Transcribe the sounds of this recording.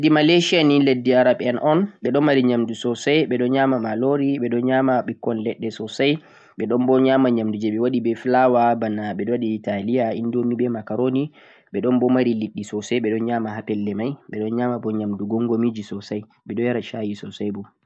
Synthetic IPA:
dimaleʃianiledːiaɾaɓɛnʔɔnɓɛɗɔnmaɾiɲamdusɔsajɓɛɗɔnɲamamaloɾiɓɛɗɔɲamaɓikːɔnlɛɗːɛsɔsaj | ɓɛɗɔnbɔɲamaɲamdud͡ʒɛɓɛwaɗibɛflawabanaɓɛɔwaɗiːtalijaindomibɛmakaɾoni | ɓɛɗɔnbɔmaɾiliɗːisɔsaɓɛɗɔnɲamaɦapɛlːɛmajɓɛɗɔnɲamabɔɲamduɡɔŋɡomid͡ʒisɔsaj | ɓɛɗɔjaɾaʃajisɔsajbɔ

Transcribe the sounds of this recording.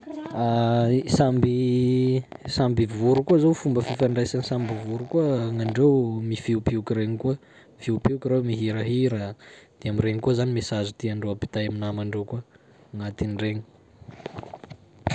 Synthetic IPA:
asambi | sambivuɾukuəzowfumbəfifaɳɖ͡ʐajsanisambivuɾukuəŋaɳɖ͡ʐewmifiukpiukiɾeɲikuə | fiupiukiɾewmiɦiɾaɦiɾad̪̥eamiɾeŋikuəzanimesazut̪iaɳɖ͡ʐoapi̥t̪ajaminamaɳɖ͡ʐewkuə | ŋat̪inɖ͡ʐeɲi̥

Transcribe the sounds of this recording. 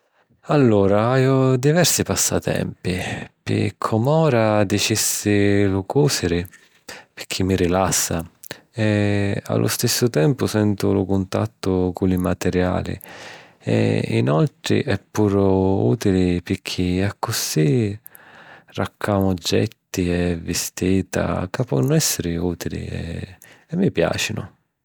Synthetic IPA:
alːuːɾaiɔd̪ivɛɾsipasːat̪ɛ̰mpipɪ̰kʰɔmɔːɾad̪it͡ʃisːɪlʊkuːsɪɾɪ | pɪ̥k̟ʰːimːiɾilasːaɛa̰lːʔʊ̰st̪isːʊt̪ɛmpʊsɛnt̪ʊlʊkʊnt̪a̰t̪ːʊkʊlɪmat̪ɛɾja̰ːlḭ | ɛ̰ḭnalt̪ɾɪ̰ʔɛpːuːɾʊṵːt̪ilɪpɪk̟ʰːiakːʊsi | rakʰːaːmʊd͡ʒːɛ̰t̪ːiɛvːɪst̪iːt̪a̰kapːɔnːʊɛsːɪɾɪuːt̪ilḭɛ̰ɛmːipja̰ːt͡ʃinʊ̰

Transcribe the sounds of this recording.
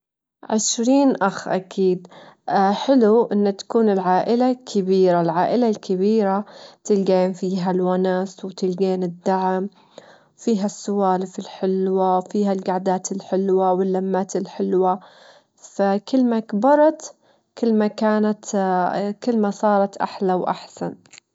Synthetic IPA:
ʕɪʃɾiːnʔaxʔa̰kʰiːd̪ | ħɪluʔɪnːt̪ḁkuːnɪlʕaːʔɪlakʰɪbiːɾalʕaːʔɪlalkʰɪbiːɾat̪ɪlɡeːnfiːɦalwanaːswt̪ɪlɡeːnɪd̪ːaʕam | fiːɦasːʊwaːlfɪlħɪlwafiːɦalɡaʕd̪aːt̪ɪlħɪlwawɪlːamːaːt̪ɪlħɪlwa | fakɪlːmakbɑɾˤɑt̪ | kɪlːmakaːnat̪ | kɪlːmasˤɑːɾˤɑt̪ʔa̰ħlawʔa̰ħsan

